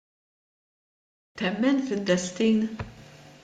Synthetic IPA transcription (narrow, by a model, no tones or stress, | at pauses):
t̪ɛmːɛnfɪnd̪ɛst̪iːn